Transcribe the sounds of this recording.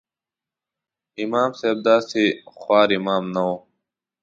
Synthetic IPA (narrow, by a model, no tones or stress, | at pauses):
imaːmseːb̚d̪aːseːxwaːɾimaːmnɐoː